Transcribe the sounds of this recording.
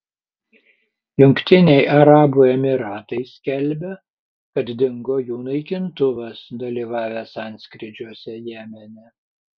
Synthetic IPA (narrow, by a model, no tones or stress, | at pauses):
jʊŋʲkt̪ʲɪnʲɛɪʔɐɾɑːbuːɛmʲɪɾɑːt̪ɐɪsʲkʲɛlʲbʲɛ | kɐt̪d̪ʲɪŋɡoːjuːnɐɪkʲɪnt̪ʊʋɐsd̪ɐlʲiːʋɑːʋʲæsɑˑnʲsʲkɾʲɪd͡ʒʲuɔsʲɛjæːmʲɛnʲɛ